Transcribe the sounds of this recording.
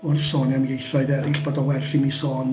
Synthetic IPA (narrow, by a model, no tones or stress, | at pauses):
ʊrsoːnjanɡejθɔɨðɛɾɪɬb̥oːdɔwɛrθɪinisoːn